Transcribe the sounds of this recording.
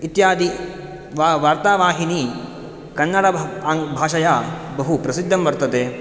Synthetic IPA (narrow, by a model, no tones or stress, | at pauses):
it̪jaːd̪i | ʋaʋaːɾt̪aːʋaːɦini | kɐnːɐɽɐŋbʱaːʃɐjabɐɦupɾɐsid̪ʱːɐmbɐɾt̪ɐd̪e